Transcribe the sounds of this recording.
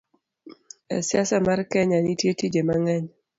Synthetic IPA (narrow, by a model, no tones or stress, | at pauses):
ɛ̰sjasamarkɛɲanitjetid͡ʒemaŋɛɲ